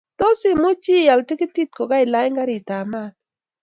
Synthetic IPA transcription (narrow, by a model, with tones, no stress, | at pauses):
to˦sɪ˦mo˦t͡ʃi˦˨ja˨lti˦kɪ˦ti˦t̚ko˨ɡa˦ɪ˨la˦jŋɡa˦ɾɪ˨ta˨ma˦t̪̚